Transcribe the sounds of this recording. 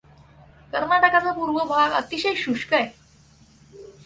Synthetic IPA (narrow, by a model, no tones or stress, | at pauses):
kəɾnaʈəkat͡sapuɾʋəbʱaɡə̰t̪iɕəjɕuʂkəj